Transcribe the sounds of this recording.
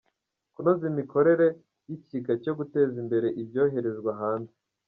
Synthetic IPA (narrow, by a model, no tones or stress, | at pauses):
kunozimiko̞ɾe̞ɾe̞ | jiciɡaco̞ɡute̞ːzimbe̞ɾe̞ʔibjo̞ːɦe̞ɾe̞zɡwaɦaːnze